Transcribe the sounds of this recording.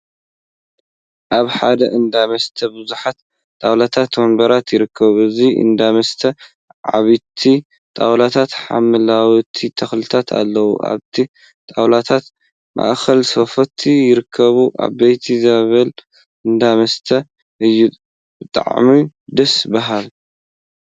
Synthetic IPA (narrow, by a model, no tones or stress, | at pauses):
ʔaβħad̪ɐʔɨnd̪amɐst̪ʰɐbɨzuħat̪ | t̪ʼawlat̪ʰat̪wɐmbɐɾat̪jɪɾɨkʰːɐβɨziʔɨ̰nd̪amɐst̪ʰɐ | ʕa̰βit̪ʰi | t̪ʼawlat̪ʰat̪ħa̰mɨlawt̪ʰit̪ʰɐxlɨt̪ʰat̪ʰa̰lːɐwṵʔa̰βt̪ʰi | t̪ʼawlat̪ʰat̪ | mʔa̰ʔxɐlsofɐt̪ʰijɪɾɨkʰːɐβuʔa̰βbɐjt̪ʰizaβɐl | ɨnd̪amɐst̪ʰɐ | ʔɨjːu | bɨt̪ʼa̰ʕmid̪ɐsbɐɦal